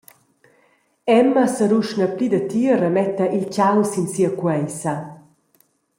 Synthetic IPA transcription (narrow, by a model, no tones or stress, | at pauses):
ɛmːɐsəɾuʃnəplid̪ət̪iəɾəmɛt̪ɐʔilt͡ɕawsinsiɐkwɛjsɐ